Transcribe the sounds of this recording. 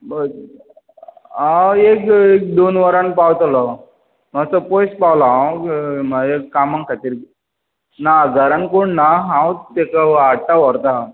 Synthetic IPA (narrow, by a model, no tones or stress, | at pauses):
bə | aekek̚d̪onʋəɾanpawt̪alɔ | məsəpojspawlã | maeːamaŋkʰat̪iːɾ | naɡʱəɾankoɳnaɦãwt̪ekaaʈaʋəɾt̪a